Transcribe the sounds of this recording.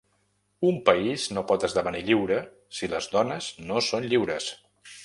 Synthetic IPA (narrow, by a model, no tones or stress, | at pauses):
umpəiznopɔt̪əzðəβəniʎiwɾə | siləzdɔnəznosonʎiwɾəs